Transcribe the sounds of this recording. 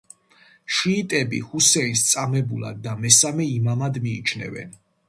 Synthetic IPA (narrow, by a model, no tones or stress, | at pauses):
ʃiːt̪ʼɛbḭhusɛinst̪sʼamɛbulˠa̰d̪̚ːamɛsamɛimamad̪miːt͡ʃʰnɛ̰vɛ̰n